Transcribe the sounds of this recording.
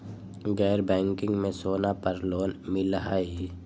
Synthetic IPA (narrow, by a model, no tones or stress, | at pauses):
ɡɛːɾbɛ̃ːŋkɪ̃ŋɡmẽsoːnapəɾloːnmɪlɦaːi